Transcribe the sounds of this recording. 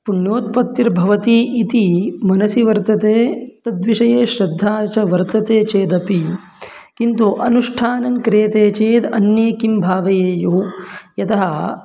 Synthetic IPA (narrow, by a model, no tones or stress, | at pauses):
puɳjoːt̪̚pɐt̪jiɾbʱɐʋɐt̪iʔit̪imɐnɐsjiʋɐɾt̪ɐt̪eːt̪ɐd̪ʋiʂɐjeːʃɾɐd̪ʱːaːt͡ʃɐʋɐɾt̪ɐt̪eːt͡ʃeːd̪ɐpi | kint̪uʔɐnuʂʈʰaːnɐŋkɾeːt̪eːt͡ʃeːd̪ɐ̰njeːkimbʱaːʋɐjeːjuɦujɐt̪ɐɦɐ